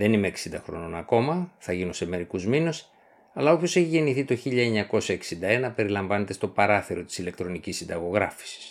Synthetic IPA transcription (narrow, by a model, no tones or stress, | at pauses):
ðe̞nimeːksind̪ɐxɾo̞̰no̞nɐko̞mɐθɐʝinunse̞me̞ɾikuzminus | ɐlɐo̞pço̞se̞çiʝe̞niθit̪o̞çiʎɐeɲɐko̞sɐeksind̪ɐe̞nɐpe̞ɾilɐɱvɐne̞t̪e̞st̪o̞pɐɾɐθeɾo̞t̪i̥sile̞kt̪ɾo̞nicisind̪ɐɣo̞ɣɾɐfi̥si̥s